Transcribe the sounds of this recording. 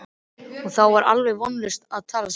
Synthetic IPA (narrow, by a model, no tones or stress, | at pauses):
ɔɣθawvaɾʔa̰lvɛɣvɔnlʏst̪aðt̪ʰaːlas